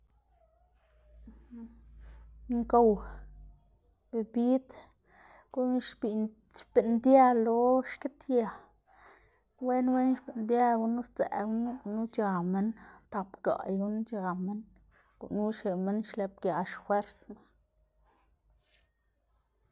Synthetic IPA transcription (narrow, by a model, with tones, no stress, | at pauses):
ŋko˧˨w | be˧˨bi˦d̪ | ɡ̥u˦n˦ʃbi˨ | ʃb̥e˨nd̪ja˦lo˧˦ʃke˦t̪ja˨ | we˦nwe˦nʃbi˨nd̪ja˦ɡu˧˦nu˦st͡sḛ˨ɡu˦n˦˧nu˦t͡ʃa˧me˧nt̪a˨pɡa̰˨jɡu˧˦nu˦t͡ʃa˨˧me˦n | ɡ̥ṵ˧˨ʔnu˦ʃe˨me˦nʃle˧p̚ɡja˨ʃxwe˦ɾsma˨